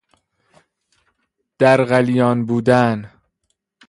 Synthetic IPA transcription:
d̪̥æɾɣælijɒːnbuːd̪æn

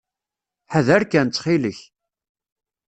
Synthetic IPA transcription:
ħəðæɾkænt͡s̪ːχiləç

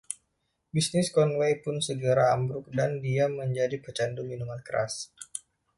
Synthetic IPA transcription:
bisnɪskɔnwejpʊnsəɡəɾaːmbɾʊk̚dandiaməɲd͡ʒadipərt͡ʃanduminumankəɾa̰s

